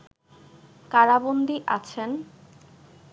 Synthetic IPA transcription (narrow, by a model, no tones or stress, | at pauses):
kaɾabond̪iʔa̰t͡ɕʰen